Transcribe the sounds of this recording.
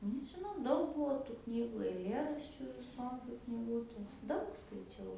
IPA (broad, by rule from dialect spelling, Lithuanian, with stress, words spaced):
nʲɛʒʲɪˈnɐʊ ˈdɐʊk ˈbuɔ tuː ˈknʲiːɡʊ ɐɪˈlʲeːrɐʃʲt͡ʃʲʊ ʋʲɪˈsoːkʲʊ knʲɪˈɡʊtʲʊ ˈdɐʊk skɐɪˈt͡ʃʲɛʊ